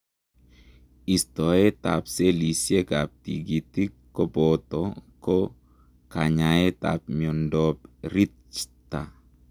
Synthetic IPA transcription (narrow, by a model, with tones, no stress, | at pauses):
i˨stɔ˨e˦t̪a̰˨pse˦li˨sje˦ka˨p̚tḭ˨ɡi˨ti˦kːɔ˦bɔ˨tɔkɔ˦ | ka˨ɲa˨e˦ta̰˨p̚mi˨ɔ˨ndɔpɾi˦tt͡ʃta˨